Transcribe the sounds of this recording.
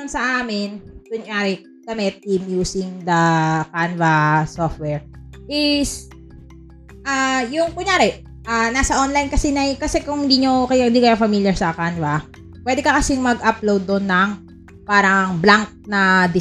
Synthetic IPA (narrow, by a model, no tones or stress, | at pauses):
nsɐʔaːmɪnk̪ʊŋjaːɾɪ | ɡ̥ɐmɛt̪̚ɪmjuːsɪŋd̪ɐkanvɐsoft̪̚wɛɹʔɪs | ʔajʊŋpʊŋjaːɾɪ | ʔanaːsɐʔonlɐjnkɐsɛnɐjkɐsɛkʊŋhɪnd̪iːɲokɐjad̪ikɐjafɐmiljɐɹsɐkanvɐ | pwɛːd̪ɛkɐkɐsɪŋmɐɡʔɐplowd̪ːonːɐŋ | paːɾɐŋblaŋk̚nɐd̪ɪ